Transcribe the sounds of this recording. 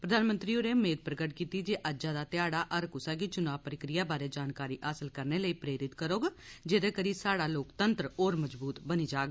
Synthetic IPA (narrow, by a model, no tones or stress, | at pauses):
pɾəd̪aːnmə̃nt̪ɾiːoɾeːmeːd̪̚pɾəɡəʈkiːt̪iːd͡ʒeːʔəd͡ʒaːd̪aːt̪ɪjaːɽaːʔəɾkʊsaːkit͡ʃʊnaːʋpɾəkɾɪjaːbaːɾeːd͡ʒaːnkaːɾiːʔaːsəlkəɾneːləiːpɾeːɾɪt̪kəɾoːɡd͡ʒeːd̪eːkəɾiːsaːɽaːloːkt̪ənt̪ɾəoːɾməd͡ʒbuːt̪bəniːd͡ʒaːɡ